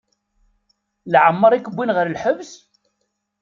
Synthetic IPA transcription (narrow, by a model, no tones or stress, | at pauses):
lʕəmːəɾˤikəbʷːinʁəɾlħəvs